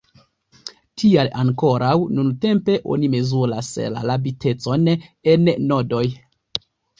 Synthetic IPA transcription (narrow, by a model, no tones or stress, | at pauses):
tʰialaŋko̞ɾawnunte̞mpe̞ʔo̞̰nime̞zulasla̰labitʰe̞t͡so̞nenːo̞do̞j